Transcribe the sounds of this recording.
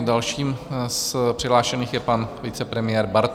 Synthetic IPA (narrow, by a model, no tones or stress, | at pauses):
dalʃiːmspr̥ɪɦlaːʃɛniːxjɛpanvɪt͡sɛpɾɛmɪjɛːɾbaɾt̪